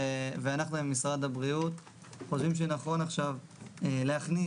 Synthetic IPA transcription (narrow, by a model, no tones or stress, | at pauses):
eveanaχnuemːisʁad̪abʁiut̪ | χo̞ʃvimʃ̬enaχo̞naχʃav | leaχni